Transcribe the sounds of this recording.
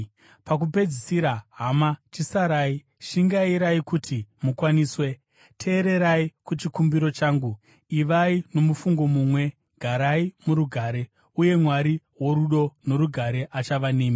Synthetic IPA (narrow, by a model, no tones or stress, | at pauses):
pak̬upe̞d͡zisiɾaɦamat͡ʃisaɾaːi | ʃiŋɡaiɾaikutʰimukwaniːswe̞ | tʰe̞ːɾe̞ɾaikut͡ʃikumbiɾo̞t͡ʃaːŋɡu | iʋaino̞mufuŋɡo̞muːmwe̞ | ɡ̥ʱaɾaimuɾuɡʱaːɾe̞ | uje̞mwaɾi | wo̞ɾuɗo̞no̞ɾuɡʱaɾe̞ʔat͡ʃaʋaneːmi